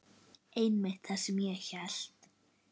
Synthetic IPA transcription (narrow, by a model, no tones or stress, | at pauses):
ejnmɪht̪θḁsɛmjɛɛçɛl̥t̪